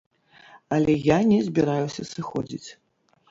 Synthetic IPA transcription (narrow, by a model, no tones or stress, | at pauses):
ɐlʲɛjanʲɛzʲbʲɛɾajusʲɐsɨxɔ̰d͡zʲḭt͡sʲ